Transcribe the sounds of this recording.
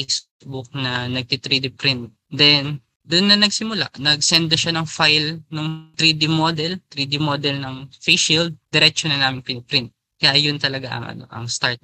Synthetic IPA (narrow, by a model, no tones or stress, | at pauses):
s | bʊk̚nɐnɐɡ̚t̪it̪ɾid̪ipɾɪnt̪̚ | d̪ɛn | d̪ʊnːɐnɐɡsɪmʊla̰ʔnɐɡsɛnd̪̚nɐʃanɐŋfajlnʊŋt̪ɾid̪imod̪ɛlt̪ɾiːd̪ɪmoːd̪ɛlnɐŋfeʃild̚d̪̥ɛɾɛk̚t͡ʃonɐnaːmɪŋpɪnɪpɾɪnt̪̚ | kɐjaʔjʊnt̪ɐlɐɡaʔɐ̰ŋʔɐ̰no̞̰ʔɐ̰ŋst̪aɹt̪